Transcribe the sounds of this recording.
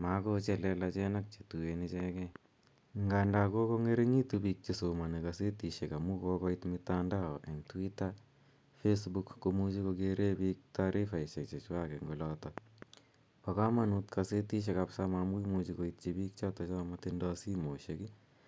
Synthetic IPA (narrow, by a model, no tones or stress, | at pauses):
makot͡ʃɛlɛlat͡ʃɛnak̚t͡ʃe̥tuenit͡ʃɛkɛ | ŋɡandakokoŋeɾeŋitubik̚t͡ʃisomanikaset̪iʃekamukokɔit̪mit̪andaoʔɛŋtuwita | fesbukːomut͡ʃikokeɾebik̚taɾʔifaiʃekt͡ʃet͡ʃwakɛŋɡolɔtɔ | pakamanut̪kʰaset̪iʃ̬ekapsamamujmut͡ʃikoit̚t͡ʃibiːk̚t͡ʃatɔt͡ʃɔmatindɔsimoʃeki